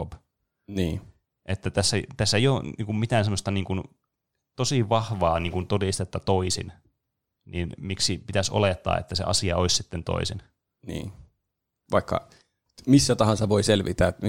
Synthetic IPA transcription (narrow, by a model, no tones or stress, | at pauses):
ob | niː | ʔet̪ːæt̪æsːæt̪æsːeijoniːŋkummit̪æːnsemːˑost̪ɑniːŋkun | t̪osiʋɑhʋɑːniːŋkunt̪odist̪et̪ːɑt̪oisḭn | ninmiksipit̪æso̰let̪ːɑ̰ːḛt̪ːæsḛʔɑ̰siɑoissit̪ːent̪o̰isin | nḭː | ʋɑikːɑ̰ | misːæt̪ɑhɑnsɑʋoiselʋit̪æː